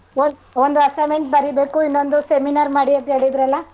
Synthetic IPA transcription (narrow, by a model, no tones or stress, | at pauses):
oond̪uɐsɐmeɳʈ̚bɐɾibe̞ːkuinːo̞nd̪useminaːɾmaːɽiɐnt̪ɦe̞ːɭid̪ɾɐlːɐ